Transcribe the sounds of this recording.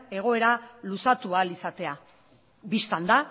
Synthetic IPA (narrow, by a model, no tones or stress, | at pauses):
e̞ɣ̞o̞e̞ɾalusat̪ualisat̪e̞a | bist̪and̪a